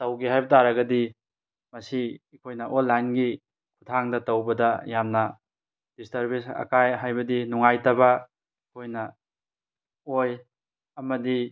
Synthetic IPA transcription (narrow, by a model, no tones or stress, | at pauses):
tɐwɡiɦajbɐtʰaɾɐɡɐdi | mɐsiikʰojnɐʔonlːajnɡi | kʰutʰaŋdɐtɐwbɐdɐjamnɐ | d̥istɐɾbisɐ̰kajɦajbɐdinuŋajtɐbɐ | ikʰojnɐ | oj | ɐmɐdi